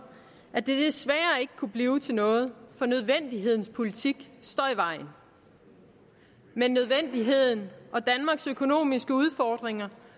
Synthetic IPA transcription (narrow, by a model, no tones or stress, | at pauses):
ʔæd̥e̝d̥esʋæːɐe̝ɡ̥əkʰub̥liːʊt͡sʰe̝nɔ̽ːð̩ˠfɒ̽nøð̞ˠʋen̰d̥iɦe̝ð̞̰ˠn̩spʰo̝lit͡sʰiɡ̥sd̥ɒ̰ːiʋɑ̈ɪ̰n̩ | menːøð̞ˠʋen̰d̥iɦe̝ð̞̰ˠn̩ɒ̽d̥ænmɑ̈ːɡ̥søkʰo̝no̝̰ːmisɡ̥əuð̞ˠfɒd̥ʁeŋɐ